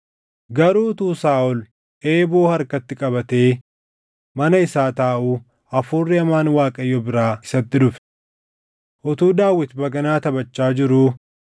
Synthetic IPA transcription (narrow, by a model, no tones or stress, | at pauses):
ɡɐɾuːt̪uːsaːʔɔl | ʔeːbo̞ːhɐɾkɐt̪ːɪkʼɐbɐt̪eː | mɐnɐɪsaːt̪aːʔuː | ɐfuːrːɪɐmaːnwaːkʼɐjːɔbɪɾaːɪsɐt̪ːɪdʊf | ʔɔt̪uːd̪aːwːɪt̪bɐɡɐnaːt̪ɐbɐt͡ʃːaːd͡ʒɪɾʊː